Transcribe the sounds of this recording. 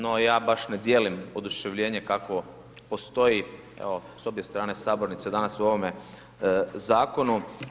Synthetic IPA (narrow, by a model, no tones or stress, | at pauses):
nojaːbaʃned̪jeːlimo̞d̪uʃeʋʎe̞ːɲe̞kako̞ | po̞st̪o̞ji | ḛoso̞bje̞st̪ɾaːne̞saːboɾnit̪sed̪anasuo̞ʋo̞me̞ | zaːko̞nu